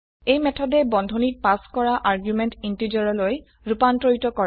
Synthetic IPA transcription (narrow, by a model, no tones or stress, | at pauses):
ejmɛtʰɔdɛbɔndʱonipaskɔɹaʔaɹɡjumɛntintid͡ʒɔɹɔloj | ɹupantɹoitɔkɔ